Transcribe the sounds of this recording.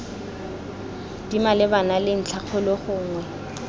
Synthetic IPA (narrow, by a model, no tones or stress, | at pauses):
d̥imalɪbanalɪn̩t͡ɬʰak͡xʰʊlɔχʊːŋwɛ